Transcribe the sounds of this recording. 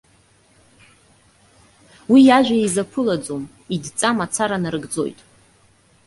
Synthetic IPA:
wijaʒᶣʷaizapʰɨlad͡zom | idt͡sʼamat͡sʰaɾanaɾɨɡd͡zo̞̰jtʼ

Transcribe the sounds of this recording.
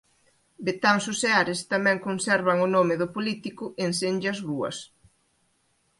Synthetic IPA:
bet̪aŋsuseaɾɪst̪amɛ̃ŋkonsɛɾβɐŋʊnomɪðʊpolit̪ikʊʔensenʎɐzruɐ̰s

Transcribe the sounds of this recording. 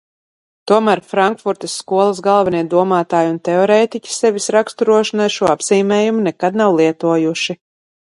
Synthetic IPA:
t̪uɔmæɾfɾaŋkfuɾt̪ɨsːkuɔlˠasɡalˠvɛniɛd̪uɔmaːt̪aːjunt̪ɛɔɾɛːt̪icʲi̥sɛvisɾakst̪uɾuɔʃanajʃuɔabz̥iːmʲɛːjumunɛkad̪̚nawlˠiɛt̪uɔjuʃi

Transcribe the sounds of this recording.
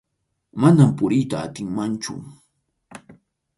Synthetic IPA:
manampʊɾɪjt̪a̰ːt̪ɪŋmant͡ʃʊ̰

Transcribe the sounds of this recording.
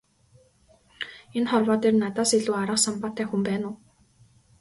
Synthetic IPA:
enχɔrwɔːt̪eːrnat̪aːseɮuːaɾə̆qsɔmpɔt̪æːxumpæːnʊː

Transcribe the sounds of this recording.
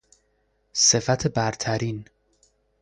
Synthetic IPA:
se̞fæt̪ʰebæɾt̪ʰæɾiːn

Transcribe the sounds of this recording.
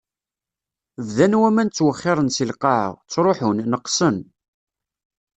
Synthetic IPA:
vðænwæmænt͡sːwəχːɪɾˤənsilqɑʕə̰ʁt͡sːɾˤoħʊnnəqːsən

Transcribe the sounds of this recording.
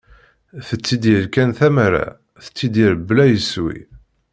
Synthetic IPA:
θət͡sːid̪əɾkænθæmæɾa̰ | θə̥t͡sːid̪iɾəbːlæjəswḭ

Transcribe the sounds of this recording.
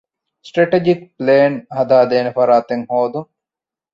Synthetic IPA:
sʈɾeʈed͡ʒik̚pleːnhɐd̪aːd̪eːnefɐɾaːt̪eŋhoːd̪uŋ

